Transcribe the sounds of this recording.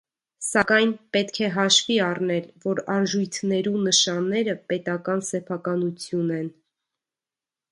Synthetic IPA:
sɑkɑjnpɛt̪kʰɛɦɑʃviɑrnɛlvɔɾɑʒujt̪ʰnɛɾunəʃɑnːɛɾəpɛt̪ɑkɑnsɛpʰɑkɑnut͡sʰjunɛn

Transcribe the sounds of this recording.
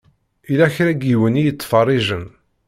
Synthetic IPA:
ilæçɾæɡiwənijət͡sːfɑrˤːiʒən

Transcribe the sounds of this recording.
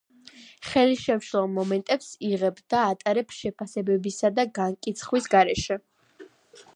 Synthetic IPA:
χɛliʃɛmʃlˠɔmɔmɛnt̪ʼɛpsiʁɛbd̪̥aːt̪ʼaɾɛpʃɛpʰasɛbɛbisad̪aɡaŋkʼit̪sʰχwisɡaɾɛʃɛ

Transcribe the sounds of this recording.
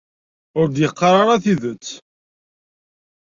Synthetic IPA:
ʊɾd̪jəqːɑɾˤɑɾˤɑθiðət͡sː

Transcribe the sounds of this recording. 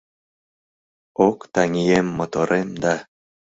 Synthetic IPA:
okt̪ɑŋʲijemːot̪oɾʔemd̪ɑ

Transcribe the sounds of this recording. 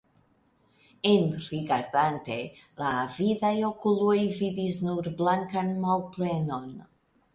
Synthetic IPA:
e̞nɾiɡaɾdante̞lavidajo̞kulojvidisnuɾblaŋkanmalple̞no̞n

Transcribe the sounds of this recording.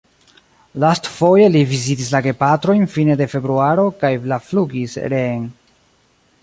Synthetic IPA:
lastfo̞je̞livizit̬is̬laɡe̞patɾo̞jnfine̞de̞fe̞bɾuaɾo̞kajlafluɡisɾeŋ

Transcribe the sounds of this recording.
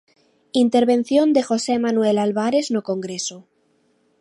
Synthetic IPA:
int̪e̞ɾβe̞n̟θjo̞nd̪e̞xo̞semanwe̞lalβaɾe̞znoko̞ŋɡɾe̞so

